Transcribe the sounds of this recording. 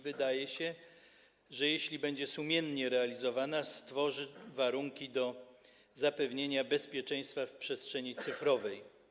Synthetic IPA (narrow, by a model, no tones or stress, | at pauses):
vɘd̪ajɛɕɛ | ʐɛjɛɕlʲibɛɲd͡ʑɛsumʲjɛnɲɛɾɛalʲizɔvanast̪fɔʐɘvaɾuŋkʲid̪ɔ | zapɛvɲeɲabɛspʲjɛt͡ʂɛ̃j̃st̪fafpʂɛstʂɛɲit̪sɘfɾɔvɛj